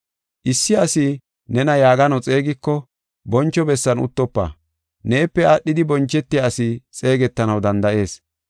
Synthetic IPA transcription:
ʔɪsːɪɐsɪ | nɛnɐjaːɡɐnɐwt͡sʼe̞ːɡɪkːɔ | bɔnt͡ʃːɔbɛsːɐnʊ̰t̪ːɔpːa̰ | ne̞ːpːɛaɗːɪd̪ɪbɔnt͡ʃːɛt̪ːɪjaːsɪt͡sʼe̞ːɡɛt̪ːɐnɐwd̪ɐnd̪ɐʔe̞ːs

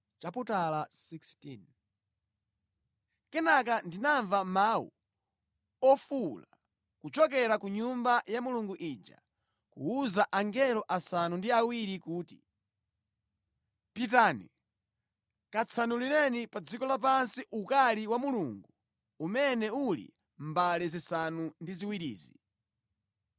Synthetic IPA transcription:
t͡ʃaputalasikstin | kɛnak̬andinaɱvamaːwṵ | ɔfula | kut͡ʃɔk̬ɛɾakuɲumbajamuluŋɡuʔid͡ʒa̰ | kṵuzaʔaŋɡɛlɔʔasanundiawiɾikuːti | pit̬aːnḭ | kat͡sʰanulinɛnipad͡zikɔlap̬ansiʔukaliwamuluŋɡu | umɛnɛulḭ | mbalɛzisanundiziwiɾḭːzi

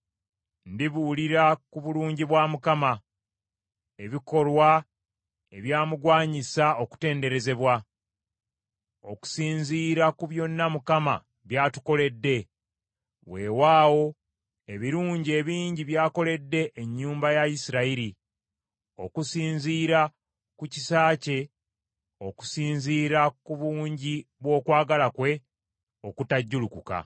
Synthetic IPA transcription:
ndiβuliɾakuβuluːɲɟiβwaːmukama | e̞βiko̞lwa | e̞βjaːmuɡwaːɲisao̞ku̥te̞ːnde̞ɾe̞ze̞βwa | o̞̰ku̥siːɲziːɾakuβjo̞nːamukama̰ | βjaːtu̥ko̞le̞dːe̞ | βwe̞ːwaːwo̞ | e̞βiɾuːɲɟie̞βiːɲɟiβjaːko̞le̞dːe̞ʔeɲːuːmbajaisiɾaiɾi | o̞kusiːnziːɾa | kucisaːce̞ | o̞ku̥siːnziːɾakuβuːɲɟiβwo̞ːkwaːɡalakwe̞ | o̞kutaɟːulukuka̰

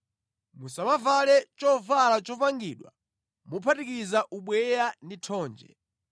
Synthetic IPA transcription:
musamavalɛt͡ʃɔvalat͡ʃɔpaŋɡiɗwa̰ | mupʰatikizaʔuɓwɛjanditʰɔːnd͡ʒɛ̰

